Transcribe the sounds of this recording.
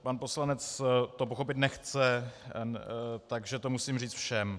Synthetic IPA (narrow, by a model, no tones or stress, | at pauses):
panpo̞slanɛt͡st̪o̞poxo̞pɪt̪nɛxt͡sɛ | t̪aɡʒɛt̪o̞musiːmriːt͡sfʃɛm